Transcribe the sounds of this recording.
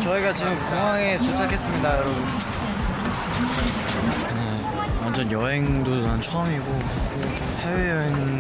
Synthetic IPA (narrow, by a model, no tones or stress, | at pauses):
t͡ɕʌiɡat͡ɕiɡɯmsʰoŋaŋet͡ɕot͡ɕʰakʰe̞s͈ɯmɲidajʌɾʌbun | ne | wand͡ʑʌnjʌɦe̞ŋdoant͡ɕʰʌɯmiɡo | hewejʌɦeŋ